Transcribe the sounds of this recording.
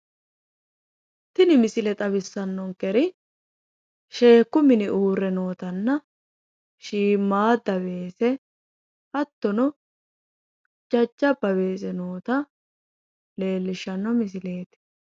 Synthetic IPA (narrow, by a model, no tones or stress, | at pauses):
t̪ɪnɪmɪsɪlɛt̪ʼɐβɪsːɐnːɔŋkɛɾɪ | ʃe̞ːkːʊmɪnɪuːɾːɛno̞ːt̪ɐnːɐ | ʃiːmːaːd̪ɐβe̞ːsɛ | ʔɐt̪ːɔnɔ | d͡ʒɐd͡ʒːɐbɐbe̞ːs̬ɛnoːt̪ɐ | le̞ːlːɪʃːɐnːɔmɪs̬ɪle̞ːt̪ɪ̥